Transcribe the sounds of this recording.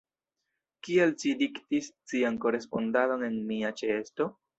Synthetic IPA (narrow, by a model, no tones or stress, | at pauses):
kielt͡ʃidiktist͡sianko̞ɾe̞spo̞ndalo̞ne̞nmiat͡ʃeesto̞